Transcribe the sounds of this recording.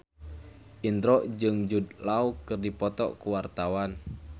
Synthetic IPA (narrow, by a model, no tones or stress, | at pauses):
ʔind̪ɾɔʔd͡ʒɨŋd͡ʒud̪laukɨrdipɔt̪ɔ̰kuwart̪awan